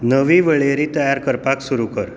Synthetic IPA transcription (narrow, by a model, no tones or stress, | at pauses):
nəʋiʋəɭeɾiːt̪əjaɾkəɾpaksuɾukəɾ